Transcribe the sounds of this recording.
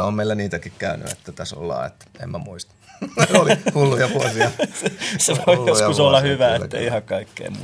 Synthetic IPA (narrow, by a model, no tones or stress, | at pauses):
omeilːæniːt̪ækikkæyny̰ḛt̪ːæt̪æso̰lːɑ̰ːḛt̪ːḛmmæmuist̪ɑ̥ | olhulːujɑʋuosiɑseseʋoijoskussolːɑhyʋæːeːæḛiihɑkkɑikːḛːmṵː